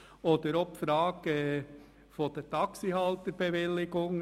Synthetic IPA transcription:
oːd̥̪əɾɔpfɾɑːɡ̥ə | fod̥ɛɾtʰɑksihɑlt̪əɾb̥ɛʋɪlɪɡ̥ʊŋ

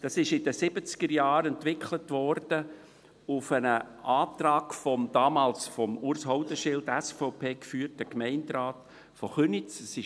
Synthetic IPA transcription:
d̥ɑsɪʃɪdəsɪb̥ət͡sɡ̥əɾjɑːɾɛntʋɪkʰlətʋɔrd̥ə | ʊfənə | ʔaːt̪rɑːɡfɔmd̥ɑːmɑːlsfɔmʊɾshɔʊdəʃɪld̥æsfɔʊpʰeːkfyːrtəkmɛɪndɾaːt | fɔχønit͡səsɪ

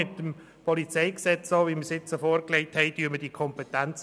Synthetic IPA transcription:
ɪt̪ːəm | pʰɔlit͡sɛɪksɛt͡soːʋiməsɪt͡səfoːɾklɛɪthɛɪdyəməd̥ikʰɔmpɛtænt͡s

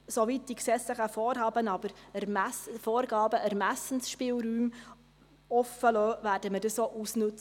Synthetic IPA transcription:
soʋit̚d̥iksɛsləχəfɔːɾɦɑːbənɑbəɾɛɾmæsfɔːɾɡɑːbəʔæɾmæsən̩sʃpɪːlɾyːm | ɔfəløːvæːɾdəmədəssoːʔusnʉt͡s

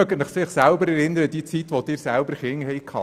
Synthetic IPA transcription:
œɡənɪχsɪχsælbəɾɛɾɪnːəɾəd̥iət͡sit̪ʋɔd̪̥ɪɾsælbəɾχɪŋhɛjkʰhɑ̰

